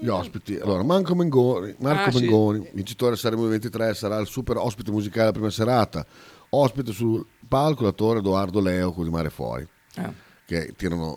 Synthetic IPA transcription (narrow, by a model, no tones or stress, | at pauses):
ʎiɔspit̪ia̰lːoːɾamaŋkomeŋɡoːnimarkomeŋɡoːnivint͡ʃi̥t̪oːɾesaɾɛmovent̪it̪ɾɛsaɾailsupeɾɔspit̪emuzikaːldelapɾiːmaseɾaːt̪a | ɔspit̪esulpalkolat̪oːɾed̪oard̪olɛːokod̪imaːɾefwɔ̰ːɾḭ | kḛt̪ːiːɾano̰